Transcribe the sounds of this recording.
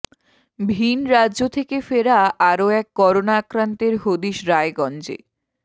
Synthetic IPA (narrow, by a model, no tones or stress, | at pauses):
bʱinɾadːʑot̪ʰekefeɾaʔaɾoɛkːɔɾonaakɾant̪eɾɦod̪iʃɾaeɡɔnd͡ʑḛ